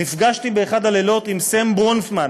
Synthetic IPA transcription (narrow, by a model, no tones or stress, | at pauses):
nifɡaʃt̪ibeːχad̪alelo̞t̪imsembonfman